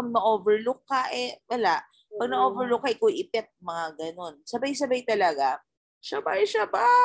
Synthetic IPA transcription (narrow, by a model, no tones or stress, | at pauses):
pɐɡ̚nɐʔovɛɹlʊkːɐʔɛwɐlaʔ | pɐɡ̚nɐʔovɛɹlʊkːɐʔɪkoʔɪpɛt̪̚mɐŋaɡɐno̞nsɐbajsɐbajt̪ɐlɐɡa | ʃabajʃaba